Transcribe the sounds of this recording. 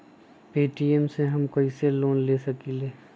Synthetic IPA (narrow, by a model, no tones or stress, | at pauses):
peːʈiemseɦɐmkɐiseloːnleːsɐkileː